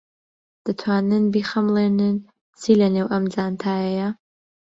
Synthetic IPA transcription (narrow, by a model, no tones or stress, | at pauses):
d̪̥ɨt̪ʰwaːnɨnbiːχɐmlˠeːnɨn | t͡sʰiːlɐnewʔɐmd͡zaːnt̪ʰaːjɛjɐ